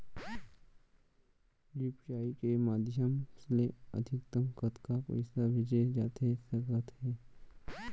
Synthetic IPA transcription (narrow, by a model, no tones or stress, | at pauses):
d͡ʒipt͡ʃaːikemaːd̪ɪʃəmsleə̰d̪ʱɪkt̪əmkət̪kako̰ɪsaʋɪd͡ʒed͡ʒaːt̪esəɡət̪ɦɛː